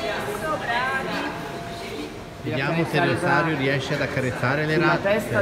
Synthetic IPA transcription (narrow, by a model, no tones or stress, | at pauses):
siaːmoseɾiosaːɾjuɾiɛʃead̪akːaɾet̪sːaːɾeleɾat̪e